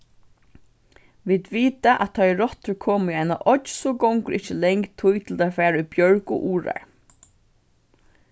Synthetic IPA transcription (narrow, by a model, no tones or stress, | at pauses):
ʋiːd̪ʋiːt̪aʔæt̪ʰɔːɛɹɔt̪əɹkʰɔːmiaɪnaʔɔʃsɔɡɔŋkəɾɪt͡ʃəlɛŋkt̪ʰʊjt̪ʰɪlt̪afæːɹaʏbjœɹkʊ̰ʔuːɹa̰ɹ